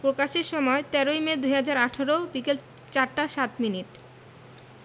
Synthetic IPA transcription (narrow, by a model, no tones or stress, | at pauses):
pɾokaʃeɾʃɔmɔet̪ɛɾojmed̪ujɦad͡ʑaɾaʈʰaɾobikel | t͡ɕaɾʈaʃat̪miniʈ